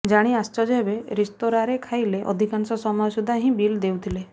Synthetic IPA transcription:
d͡ʒaɽ̃ĩast͡ʃɔd͡ʒeɦbeɾest̪oɾaɾekʰajleʔɔ̰d̪ʱikansɔsɔmɔjɔsud̪ʱaɦĩbild̪ewt̪ʰile

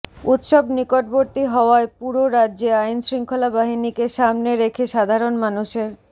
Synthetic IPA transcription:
ut̪ʃobnikoʈ̚boɾt̪iɦɔoaepuɾoɾadːʑeajnsɾiŋkʰolabaɦinikeʃamneɾekʰeʃad̪ʱaɾonmanuʃeɾ

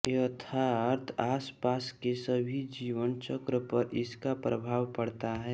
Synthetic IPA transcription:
ət̪ʰaəɾt̪ʰaːspaːskesəbʱid͡ʒiːʋənt͡ʃəkɾəpəɾɪskapɾəbʱaːʋpɐɽt̪aɦɛː

